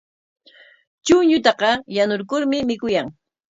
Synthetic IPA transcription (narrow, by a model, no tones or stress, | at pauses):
t͡ʃʊɲʊt̪̬ɑqɑjanʊɾkʊɾmɪmɪkʊjaŋ